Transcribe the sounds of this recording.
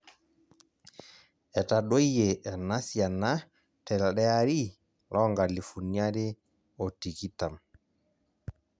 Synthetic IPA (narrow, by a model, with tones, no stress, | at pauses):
ɛ˨ta˨ɗo˦e˨ʔɛ˨na˦sja˨na˦ | tɛ˨lɗɛ˦a˦ɾi˦ | lɔ˦ŋɡa˨li˨fu˨ni˦a˦ɾɪ˦ | ɔ˨ti˨ki˦ta˨m